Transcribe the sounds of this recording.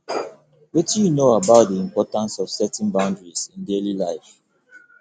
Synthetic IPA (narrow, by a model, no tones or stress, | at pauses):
wɛtijunoabaʊt̚diĩmpɔtãnsɔv̥sɛtɛ̃nbãʊ̃ndɹisɪ̃ndelilaɪf